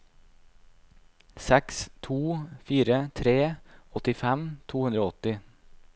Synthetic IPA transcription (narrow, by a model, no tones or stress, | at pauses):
sækst̪ʰuːfiːɾət̪ʰɾeːɔt̪ɪfæmt̪ʰuːʉnd̪ɾoːɔt̪ɪ